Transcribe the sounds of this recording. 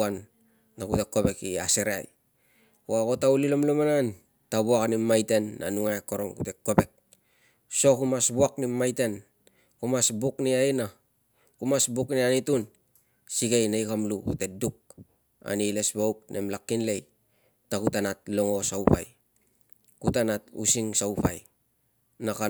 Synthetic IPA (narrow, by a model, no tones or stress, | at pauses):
anː | akutekːo̞βe̞kiaseɾea̰j | koako̞taulilomlomanan | tabuakanimajte̞nːa̰nuŋaeko̞ɾo̞ŋkute̞kːo̞pe̞k̚ | so̞kumasbuaknimːajte̞n | kumasbukniaina | kumasbuknianitun | siɡejnajkamlukṵte̞duk̚ | a̰nile̞sbowk̚nʔḛmlakːinle̞j | takutanatloŋo̞saupa̰j | kutanatṵsiŋsawpa̰j | naka